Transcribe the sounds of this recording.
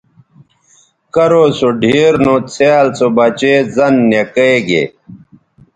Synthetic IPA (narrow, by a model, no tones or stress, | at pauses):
kɐɾoːsoɖʱiːɾnõt͡sʰjaːlsobɐt͡ɕeːzɐnːekəeɡḛː